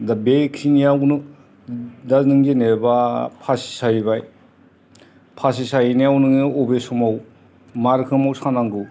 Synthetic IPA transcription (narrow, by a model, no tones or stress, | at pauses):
dabekʰinijawnɯ | danɯŋd͡ʒenebapʰasi̥sajibaj | pʰas̬isajineawnɯŋnɯɔbesumaw | maɾkʰɯmawsanaŋɡɯ